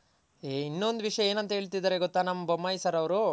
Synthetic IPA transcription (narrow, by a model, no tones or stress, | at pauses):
einːo̞nd̪uʋiʂɐjɐeːnɐnt̪ɐɦe̞ːɭt̪id̪aːɾeɡɔt̪ːaːnɐmːɐbɐmːɐjsɐɾɐʋɾu